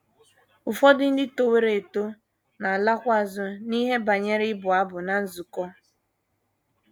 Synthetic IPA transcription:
ʊ˨fɔ˦dɪ˦n̩˦dɪ˦to˨we˦ɾe˨to˦ | na˨a˨la˦kʷʊ˦a˨zʊ˦ni˦ɦe˦ba˨ɲe˦ɾɪ˦ɪ˦bʊ˨a˦bʊ˨na˨n̩˦zu˨kɔ˦

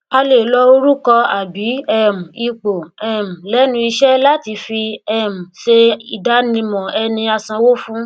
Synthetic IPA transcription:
a˧le˨lɔ˧o˧ɾu˦kɔ˧a˨bi˨˦ɛ˦˨m̩˨i˧k͡po˨ɛ˦˨m̩̃˨lɛ˦nũ˦i˧ʃɛ˦la˦ti˧fi˧ɛ˨m̩̃˨ʃe˧i˨da˨˦nĩ˧mɔ̃˨ɛ˧nĩ˧a˧sã˧wo˦fũ˦

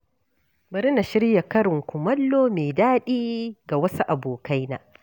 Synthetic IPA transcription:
bɐ˨ɾɪ˦na˨ʃɪ˦ɾja˨kɐ˦ɾɪ˨ŋkʷʊ˨mɐ˦lːoː˦meː˨daː˦ɗiː˦ɡa˨wɐ˦su˦ʔa˨boː˨ka˦jna̰ː˨

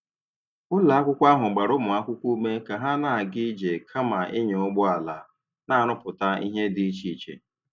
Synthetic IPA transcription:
ʊ˦la˨a˦kʷʊ˦kʷa˦ɦʊ˨ɡ͡ba˨ɾʊ˦mʊ˨a˦kʷʊ˦kʷu˦u˦me˦ka˨ɦa˦na˨ɡɪ˦d͡ʒe˨kʰa˦ma˨ʔɪ˦ɲe˨ʊ˦ɡ͡bʊ˦a˨la˨ | na˦a˨nʊ˦pʊ˨ta˦i˦ɦe˦dɪ˦t͡ʃi˦˨t͡ʃḛ˨

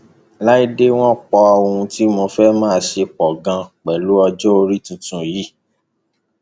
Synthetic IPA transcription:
la˦i˦de˦w̃ɔ̃˦k͡pɔ˧o˧hũ˧ti˦mõ˧fɛ˦mãː˦˧ʃe˧k͡pɔ˨ɡã˧k͡pɛ˨lu˨˦ɔ˧d͡ʒɔ˦o˧ɾi˦tũ˨˧tũ˨ji˨˦

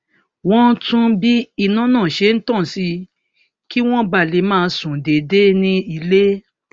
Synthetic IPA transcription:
w̃ɔ̃˦tũ˦bi˦i˦˨nã˦nãː˦˨ʃe˨˧˦n̩˦tã˦˨si˧˦ | ki˦w̃ɔ̃˦ba˦˨le˨˦mãː˦˧˦sũ˨de˨de˦nĩ˧i˧le˦

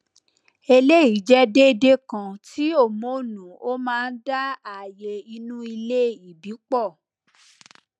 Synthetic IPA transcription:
e˧le˦i˨d͡ʒɛ˦de˦de˦kã˧tʰi˨˦o˦˨mo˨˦˨nũ˨o˦mãː˦˧n̩˦da˦a˦˨je˧i˧nũ˦i˧le˦i˨bi˨˦k͡pɔ˦˨

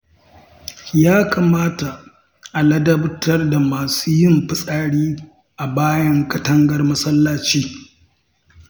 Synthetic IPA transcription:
jaː˦kaː˨maː˦ta˨ | ʔa˨lɐ˦dɐ˦btɐ˦rda˨maː˨suː˦jɪ˦mɸɪ˦sʼaː˨ɽiː˦ | ʔa˨baː˦jɐ˦ŋkɐ˦tɐ˦ŋɡɐ˦rmɐ˦sɐ˦lːaː˦t͡ʃiː˦

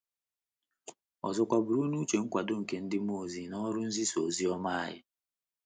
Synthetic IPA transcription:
ɔ̰˨zɔ˨kʷa˨bʊ˨ɾu˦nu˦t͡ʃe˨ŋ̩˦kʷa˨dʊ˦ŋ̩˨ke˨n̩˦dɪ˦m˦o˦˨zi˨nɔ˦ɾʊ˦n̩˦zi˦so˨zi˦ɔ˦ma˦a̰˦jɪ̰˦

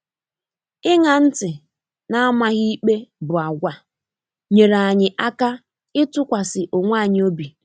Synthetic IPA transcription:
ɪ˦ŋa˨n̩˦tɪ˨ | na˦a˦ma˦ɣi˦i˦k͡pe˦bʊ˨a˨ɡʷa˨ | ɲe˨ɾa˨ɲɪ˨ʔa˦ka˦ | ɪ˦tʊ˦kʷa˨sɪ˨ʔo˨ŋʷa˦˨ɲɪ˦o˦bi˨

